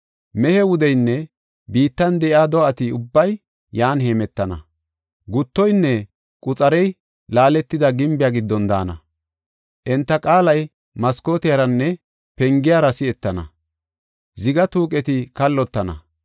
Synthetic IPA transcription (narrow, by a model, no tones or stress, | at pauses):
mɛhɛwʊd̪ɛjnːɛ | biːt̪ːɐnd̪ɛʔɪaːd̪ɔʔɐt̪ɪʊbːɐj | jaːnɦeːmɛt̪ːɐnɐ̰ | ɡʊt̪ːɔjnːɛ | kʼʊt͡sʼɐɾɛj | laːlɛt̪ːɪd̪ɐɡɪmbɪjaːɡɪd̪ːɔnd̪a̰ːnɐ̰ | ʔɛnt̪ːɐkʼaːlɐj | mɐsko̞ːt̪ɪjɐɾɐnːɛ | pɛŋɡɪjaɾɐsɪɛt̪ːɐnɐ̰ | zɪɡɐt̪uːkʼɛt̪ɪkɐlːɔt̪ːɐnɐ̰